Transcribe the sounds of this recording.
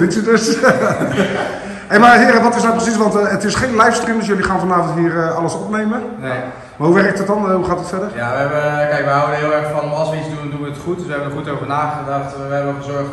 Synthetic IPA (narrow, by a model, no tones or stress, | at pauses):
ɪntydøs | ejmaːɦɪəɾnʋɑtɪs̬nawprəs̬isʋɑntətɪsχejnlɛjfstrimdɵsjɵliχaːnvɑnaːvəntɦiːrəɑləsɔpnejmən | maːɦuʋɛrək̚tət̚dɑnɦuχaːtətfɛdərjjaʋəɦɛbəkɛjkʋəɦawəɪːlˠɛɹkfɑnɑlˠsʋəizdundunʋəətχut̚dəsʋəɦɛbənəχutowvənaːχədɑχt | ʋəɦɛbənχəzɔɹχt